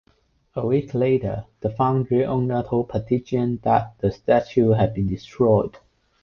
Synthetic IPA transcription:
əwikʰletə̰ð̥əfãʊ̃ndɹiʔɔ̃ŋnətʰəlpʰətʰiʃə̃nðæt̚ðəstæt͡ʃuɦæd̚bĩndistʰɹɔɪd̥

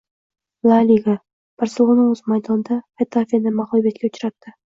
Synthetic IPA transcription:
lˠalʲiɡa | pʰaɾsɪlˠonɪɵz̥majd̪ɒnd̪a | et̪ʰafʲianɪmaχɔbijat̪̚kʲaʊt͡ʃʰɾap̚d̪̥ɪ

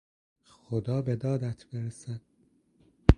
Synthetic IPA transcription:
xod̪ɒːbe̞d̪ɒːd̪æt̪ʰb̥eɾesæd̪̥̚

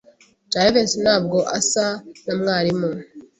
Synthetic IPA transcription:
t͡ʃaɾevensinhaːb̚ɡo̞ʔasanamŋaːɾimo

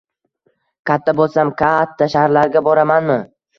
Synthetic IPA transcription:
kʲʰat̪ʰːabolˠsamkʲʰat̪ʰːaʃahɾlaɾɡʲabɒɾamanmɪ

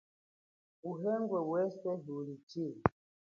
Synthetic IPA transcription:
uɦɛŋɡwɛwɛsɛɦulit͡ʃi

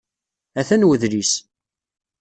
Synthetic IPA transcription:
æθænwəðɾis

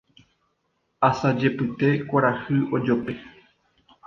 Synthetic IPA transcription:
asad͡ʒe̞pɨt̪e̞kʷaɾahɨʔod͡ʒope̞

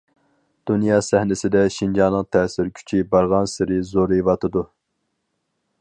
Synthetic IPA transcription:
d̪̥unjɑːsɛhnɪsɪd̪ɛʃind͡ʒɑnɨŋt̪ʰɛːsɪɾkʲʰy̥t͡ʃʰibɑɾʁɑnsɪɾɪzoɾivɑt̪ʰɨd̪u

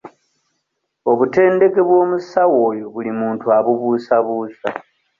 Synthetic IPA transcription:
o̞βute̞ːnde̞ke̞βwo̞ːmusawo̞ːjoβulimuːntuaβuβuːsaβuːsa

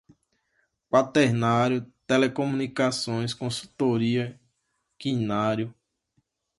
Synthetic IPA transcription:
pat̪eɾnaɾjʊt̪elekõmũnikasõj̃skõsut̪oɾiɐ | kĩnaɾjʊ

